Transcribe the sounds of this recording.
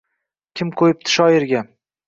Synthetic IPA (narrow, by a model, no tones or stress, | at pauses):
kʲʰɪmqʰojɪp̚t̪ʰɪ̥ʃɒɪɾɡʲa